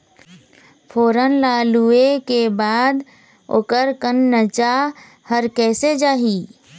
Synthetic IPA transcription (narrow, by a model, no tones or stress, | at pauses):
fʰoːɾənlaːluekebaːd̪ | o̰kəɾkənːət͡ʃa | həɾkɛːsed͡ʒaːɦiː